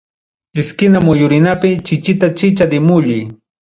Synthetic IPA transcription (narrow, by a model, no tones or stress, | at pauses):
ɪskɪnamʊjʊɾɪnapɪt͡ʃɪt͡ʃɪt̪at͡ʃɪt͡ʃad̪ɪmʊʎij